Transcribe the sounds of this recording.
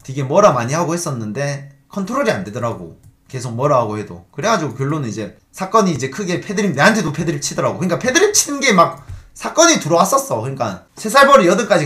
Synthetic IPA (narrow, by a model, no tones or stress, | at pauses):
tiɡe̞mʌɾamaɲiɦaɡohe̞s͈ʌnːɯnde̞kʰʌntʰoɾoɾiande̞dʌɾaɡo̰ke̞sʰok̚mʌɾaɦaɡohe̞do̰kɯɾe̞ɡad͡ʑiɡokjʌɭːonɯnid͡ʑe̞ | sʰak͈ʌɲiːd͡ʑe̞kʰɯɡe̞pʰedɯɾine̞ɦantʰe̞dopʰe̞dɯɾip̚t͡ɕʰidʌɾaɡokɯɲik͈apʰe̞dɯɾip̚t͡ɕʰidɯnɡe̞mak̚sʰak͈ʌɲituɾʌwas͈ʌs͈ʌkɯɲik͈a | sʰe̞sʰaɭbʌɾiʌdɯnk͈ad͡ʑi